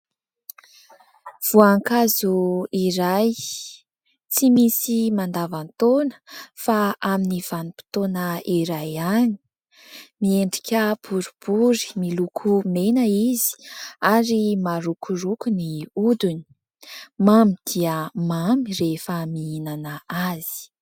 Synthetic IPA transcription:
v̥uaŋkazuiɾaj | t͡simisimand̪avant̪onə̥faaminiv̥anipi̥t̪onəiɾajaɲi̥ | mieɳɖ͡ʐikʲəb̥uɾub̥uɾi̥milukʰumenəizi̥aɾimaɾukʰuɾukuniud̪uni̥ | mamid̪̥iəmamirefəmiinanaaz̥i̥

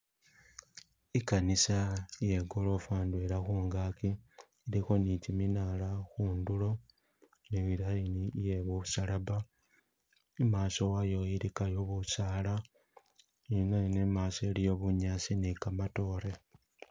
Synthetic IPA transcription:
ikanisaje̞ɡo̞lo̞faːndweɾaxuːŋɡaːki | iɾixo̞niciminalaxuːndulo̞ | niβiɾainijeβuusalaβa | emaːso̞wajo̞iɾikajo̞βusaːla | inanemaːsoelijo̞βuɲaːsinekamato̞ːɾe̞

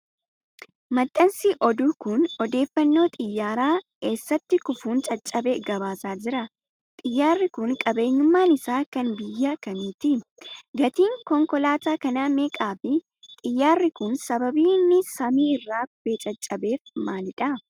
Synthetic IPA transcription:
mɐt̪ʼːɐnsɪʔɔd̪uːkʊnɔd̪e̞ːfːɐnːo̞ːt̪ʼɪjːaːɾaːke̞ːsːɐt̪ːɪkʊfuːnt͡ʃʼɐt͡ʃʼːɐbeɡɐbaːsaːd͡ʒɪɾɐ | t̪ʼɪjːaːrːɪkʊŋkʼɐbe̞ːɲʊmːaːnɪsaːkɐnbɪjːɐkɐniːt̪ɪɡɐt̪iːŋkɔŋkɔlaːt̪aːkɐnaːmeːkʼaːfɪ | t̪ʼɪjːaːrːɪkʊnsɐbɐbiːnːɪsɐmiːɪrːaːkʊbeːt͡ʃʼɐt͡ʃʼːɐbe̞ːfmaːlɪᶑɐ

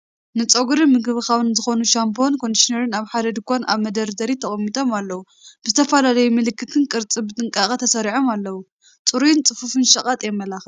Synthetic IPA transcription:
nɨt͡sʼoɡuɾɨmɨɡɨβɨkaβɨnzɨxo̞nuʃampʰo̞nkʰo̞miʃineɾɨnaβħad̪ɐd̪ɨkʷʰʼana̰βmɐd̪ɐɾd̪ɐɾit̪ʰɐχʼɐmːit̪ʰʼo̞malːɐwu | b̥ɨzɨt̪ʰɐfɐlalɐjumɨlɨkʰːɨt̪ʰɨnkʼɨɾt͡sʼɨbɨt̪ʼɨŋkʼakʼɐt̪ʰɐsɐɾiʕomalːɐwu | t͡sʼɨɾujɪnt͡sʼɨfufɨnʃɐkʼat̪ʼjɛmːɐlaxɨ

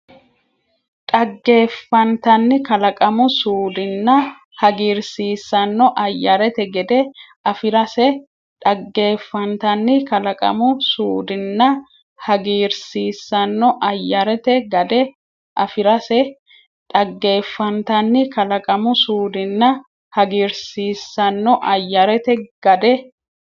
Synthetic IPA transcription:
ᶑʼɐɡːe̞ːfːɐnt̪ɐnːɪkɐlɐkʼɐmʊsuːd̪ɪnːɐ | hɐɡiːɾsiːsːɐnːɔʔɐjːɐɾɛt̪ɛɡɛd̪ɛ | ɐfɪɾɐsɛ | ᶑʼɐɡːe̞ːfːɐnt̪ɐnːɪkɐlɐkʼɐ̰mʊsuːd̪ɪnːɐ | hɐɡiːɾsiːsːɐnːɔʔɐjːɐɾɛt̪ɛɡɐd̪ɛ | ʔɐfɪɾɐsɛ | ᶑʼɐɡːe̞ːfːɐnt̪ɐnːɪkɐlɐkʼɐmʊsuːd̪ɪnːɐ | hɐɡiːɾsiːsːɐnːɔʔɐjːɐɾɛt̪ɛɡ̥ɐd̪ɛ

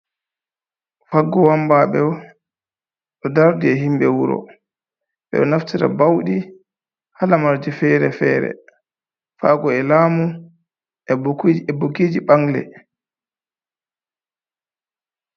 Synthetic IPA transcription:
faɡːɔwambaɓɛ | ɗɔdaɾdiɛɦimbɛwuɾɔ̰ | ɓɛ̰ɗɔnaftiɾa̰bawɗi | halamaɾd͡ʒifɛːɾɛfɛːɾɛ̰ | faːɡɔɛlaːmu | ɛɛboɡiːd͡ʒiɓaŋlɛ̰

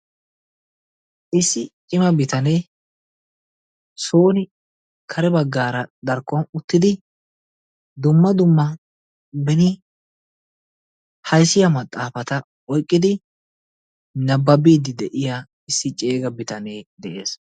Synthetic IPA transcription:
ʔɪsːɪt͡ʃʼɪmɐbɪt̪ɐneː | soːnɪ | kʰɐɾɛbɐɡːaːɾɐd̪ɐɾkːɔnʊt̪ːɪd̪ɪ | d̪ʊmːɐd̪ʊmːɐ | bɛnɪ | hɐjsːɪjɐmɐt̪ʼːaːfɐt̪ɐ | ɔjkʼːɪd̪ɪ | nɐbːɐbiːd̪ɪd̪ɛʔɪja | ɪsːɪt͡ʃʼe̞ːɡɐbɪt̪ɐne̞ːd̪ɛʔe̞ːs

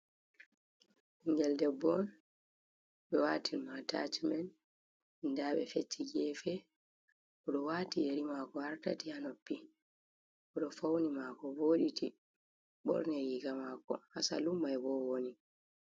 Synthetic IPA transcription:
iŋɡɛldɛbɔn | ɓɛwatʰilmata̰t͡ʃimɛn | ndaːɓɛfetʰːiɡɛfɛ | ʔɔɗɔwaːtijeɾimakɔaɾtatihanopːi | ʔɔɗɔfawnimakɔboːɗiti | ɓɔ̰ɾnɛjiɡamakɔ̰hasa̰lumːajɛbɔwoni

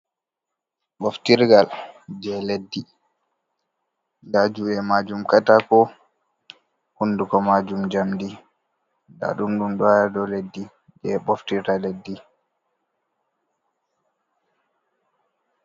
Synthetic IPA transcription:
ɓoftiɾɡald͡ʒɛledːi | dad͡ʒuɛmad͡ʒumkatakɔ | hundukɔmad͡ʒumd͡ʒamdi | da̰ɗumɗumɗɔjadɔledːi | d͡ʒɛɓoftiɾtaledːi

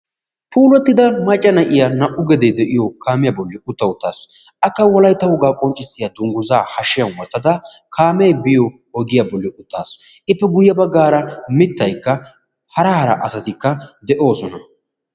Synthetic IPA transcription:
pʰuːlɔt̪ːɪd̪ɐmɐt͡ʃʼːɐnɐʔɪjanɐʔʊɡɛd̪ɛd̪ɛʔɪjɔkaːmɪjabɔlːɪʊt̪ːɐʊt̪ːa̰ːs | ʔɐkːɐwɔlɐjt̪ːɐhʊɡaːkʼɔnt͡ʃʼːɪsːɪjɐd̪ʊŋɡʊzaːhɐʃːɪjɐnwɔɾt̪ːɐd̪ɐ | kʰaːmɛjbɪjɔ | ɔɡɪjabɔlːɪʔʊt̪ːaːs | ʔɪpːɛɡʊjːɐbɐɡːaːɾɐmɪt̪ːɐjkːɐ | hɐɾɐhɐɾɐ̰ʔɐsɐt̪ɪkːɐd̪ɛʔo̞ːsɔnɐ

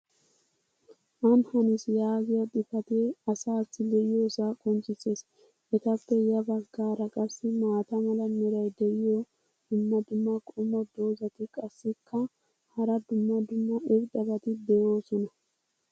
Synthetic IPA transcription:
ʔɐnhɐnɪsjaːɡɪjɐɗ̪ɪpɐt̪ɛɐsaːt͡sːɪlɛʔɪjoːsakʼɔnt͡sʼɪseːs | ɛt̪ɐpːɛjɐbɐɡaːɾɐkʼɐsːɪmaːt̪ɐmɐlɐmɛɾɐjd̪ɛʔɪjo | d̪̥ʊmːɐd̪ʊmːɐkʼɔmɔd̪o̞ːzɐt̪ɪkʼɐsːɪkʰːɐ | hɐɾɐd̪ʊmːɐd̪ʊmːɐʔɛbd̪ɐbɐt̪ɪd̪ɛjo̞ːsɔnɐ

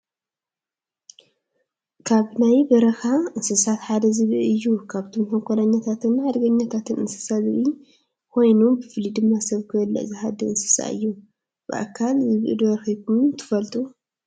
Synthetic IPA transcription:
kʰaβnajbɐɾɐxaɨnsɨsat̪ħad̪ɐzɨβɨɨjːukʰaβt̪ʰomħoŋkʰʷolaɲːat̪ʰat̪ʰɨnħad̪ɡɐɲːat̪ʰat̪ʰɨnɨ̰nsɨ̥sazɨβi | kʰo̞jnubɨfɨlid̪ɨmːasɐβkʰɨɐlːɐ̰ʔzɨhad̪ɐɨnsɨ̥sa̰ɨ̰jːu | b̥ɨʔa̰kʰːalzɨβʔɨ̰d̪βɐɾxikʰumt̪ʰɨ̥fɐlt̪ʼu

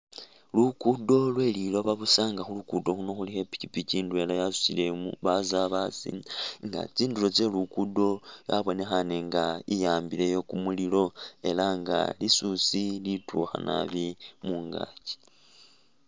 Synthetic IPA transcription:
lukudo̞lwe̞liloβaβusaːŋɡaxulukudo̞xuno̞xulixe̞pi̥kipiciːndue̞lajasu̥sile̞mṵβazaβasḭŋɡa̰t͡siːndulo̞t͡se̞lukudo̞ja̰βo̞ne̞xaneŋɡaijaːmbile̞jo̞kumulilo̞e̞laŋɡa̰lisusilitʰuxa̰nʔa̰βimuːŋɡa̰ci̥

